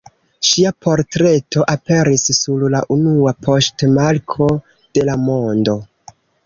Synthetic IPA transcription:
ʃiapo̞ɾtɾe̞tʰo̞ʔape̞ɾisːullaʔunuapʰo̞stmaɾkʰo̞ | d̥e̞lamo̞ndo̞

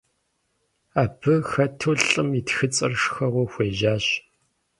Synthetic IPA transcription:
aːpʰɨxɐtʰuɮʼɨmitxɨt͡sʼɐ̰rʂxɐʁʷʊxʷeːʒaːɕ

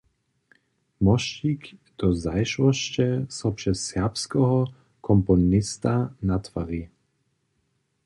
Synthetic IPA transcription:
mɔʃt͡ʃik | d̪̥ɔzajʃwɔʃt͡ʃɛsɔpʃɛsːɛɐpskɔɦɔ | kʰɔmpɔnɪst̪anat̪fa̰ʁi

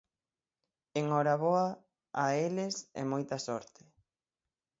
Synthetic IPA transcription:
eŋɔɾaβoɐ | aelɪsɛ̰mojt̪ɐsɔɾt̪ɪ̥

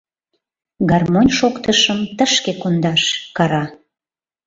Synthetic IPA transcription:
ɡɑrmonʲʃokt̪əʃəmt̪əʃkekond̪ɑʃkɑɾɑ

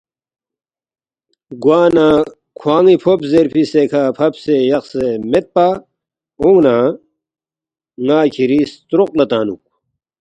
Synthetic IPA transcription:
ɡwaːna | kʰwaːŋipʰopzeɾpʰisekʰapʰɐpsejɐxsemet̪̚pa | uŋɡnãː | ŋaːkʰiɾist̪ɾoqlɐt̪aːnṵk̚

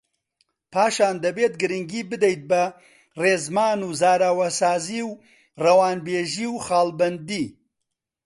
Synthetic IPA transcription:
pʰaːʃaːnd̪ɐbeːt̪̚ɡɨɾɨŋɡiːbɨd̪ejt̪̚bɐ | reːzmaːnuːzaːɾawɐsaːziːw | rɐwaːnbeːʒiːwxaːlbɐnd̪iː

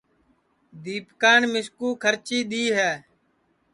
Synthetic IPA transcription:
d̪iːpkaːnmɪskuːkʰəɾt͡ʃiːɗ̪iːɦɛː

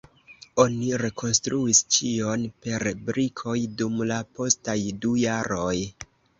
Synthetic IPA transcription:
o̞niɾe̞kʰo̞nstɾuist͡ʃio̞npe̞ɾbɾikʰo̞jdumlapo̞stajdujaɾo̞j

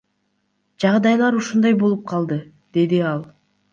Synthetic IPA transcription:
d͡ʒɑʁd̪ɑjlˠɑɾuʃund̪ɑjbo̞lˠup̚qʰɑlˠd̪ɯ | d̪̥e̞d̪iɑlˠ

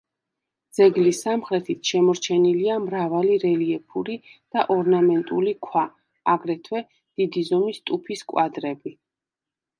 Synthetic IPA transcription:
d̪z̥ɛɡlisːamχɾɛt̪ʰit̪ʰʃɛmɔɾt͡ʃʰɛniliamɾavaliɾɛliɛpʰuɾid̪̥aʔɔɾnamɛnt̪ʼṵlikʰwa | aɡɾɛt̪ʰwɛ | d̪̥id̪izɔmist̪ʼupʰiskʼwad̪ɾɛbi

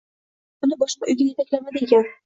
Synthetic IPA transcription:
ʊnɪbɒʃqɑʔʊjɡʲɪnjet̪akʲlamad̪ɪɡʲan

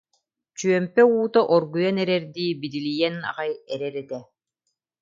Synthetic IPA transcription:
t͡ɕyœmpɛuːt̪aʔɔɾɡujɐnɛɾɛɾd̪iːbid̪ilijɛna̰ʁajɛɾɛɾɛt̪ɛ

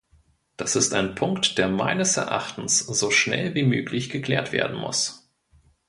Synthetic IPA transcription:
d̥asɪstaɪnpʰʊŋktd̥eːɐma̰ɪnəsɛɐʔa̰χtn̩sz̥oːʃnɛ̰lviːmøːklɪçɡ̥əkl̥eːɐtv̥ḛːɐdn̩mʊ̰s

